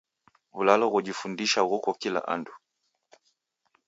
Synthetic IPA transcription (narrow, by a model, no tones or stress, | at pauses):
βulalɔɣuʄifundiʃaɣukɔkila̰ʔa̰ndu